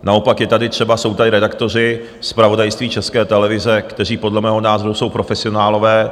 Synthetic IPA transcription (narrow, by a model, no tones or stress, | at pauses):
nao̞pakjɛt̪adɪt̪r̝̥ɛbaso̞wt̪adɪɾɛdakt̪o̞r̝ɪ | spɾavo̞dajst̪viːt͡ʃɛskɛːt̪ɛlɛvɪzɛkt̪ɛriːpo̞dlɛmɛːɦonaːzo̞ɾuso̞wpɾo̞fɛsɪo̞naːlo̞vɛː